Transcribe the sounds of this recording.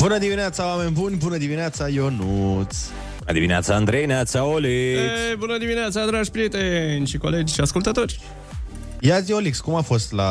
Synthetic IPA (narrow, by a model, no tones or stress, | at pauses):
bunəd̪imineat̪sawamenʲbunʲbunəd̪imineat̪sajonut̪s | bunə̰d̪imḭnea̰t̪saːnd̪ɾejnat̪saoliebunəd̪imineat̪sad̪ɾaʒpɾiet̪enʲʃiko̞led͡ʒʲʃiaskult̪ət̪o̞rʲ | jaziolikskumafo̞st̪la